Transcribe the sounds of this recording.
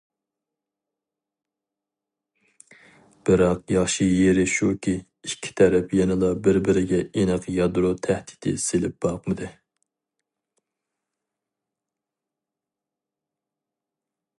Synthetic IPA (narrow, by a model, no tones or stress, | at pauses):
b̥ɪɾɑqjɑχʃijeɾɪʃukʲʰiː | kʲʰːi̥t̪ʰɛɾɛpjɛnɨlˠɑbɪɾbɪɾɪɡʲɛenɨqjɑd̪ɾot̪ʰæhd̪i̥t̪ʰɪ̰selɪp̚b̥ɑqmɨd̪ɨ